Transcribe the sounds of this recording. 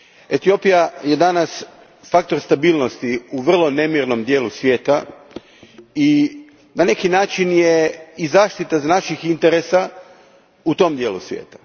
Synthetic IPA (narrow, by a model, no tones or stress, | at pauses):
e̞t̪io̞pijaje̞d̪anas | fak̚t̪o̞ɾst̪abiːlˠnost̪iuʋr̩lˠo̞ne̞miɾno̞md̪je̞ːlusʋje̞ːt̪a | i | nane̞kinaːt͡ʃinjeizaːʃt̪it̪aznaʃixint̪eɾesa | ut̪o̞md̪jeːlṵsʋjḛːt̪ḁ